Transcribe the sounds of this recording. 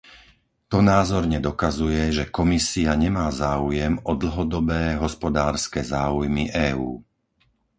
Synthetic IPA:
t̪ɔnaːzɔɾɲɛd̪ɔkazujɛʒɛkɔmisiaɲɛmaːzaːujɛmɔd̪l̩ɦɔd̪ɔbɛːɦɔspɔd̪aːɾskɛːzaːujmiʔɛːṵː

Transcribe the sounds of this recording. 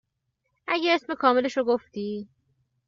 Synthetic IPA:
ʔæɟeesme̞kʰɒːme̞leʃoɡoft̪iː

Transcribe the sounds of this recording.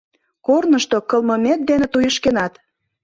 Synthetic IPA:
kornəʃt̪okəlməmet̪̚d̪enet̪ujəʃkenɑt̪

